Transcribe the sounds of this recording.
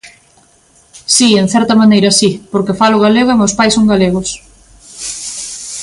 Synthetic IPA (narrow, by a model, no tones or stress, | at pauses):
sieŋ̟θɛɾt̪ɐmanejɾɐsipoɾkefalʊɣaleɣomeospajsoŋɡaleɣos